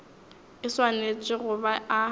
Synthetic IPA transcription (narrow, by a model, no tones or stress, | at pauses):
ɪswanet͡ʃʼɪɣʊbaa